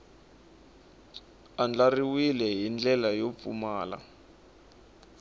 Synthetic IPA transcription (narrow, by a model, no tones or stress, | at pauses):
and͡ɮariwilɛɦind͡ɮɛlajop̪fṵmaːla̰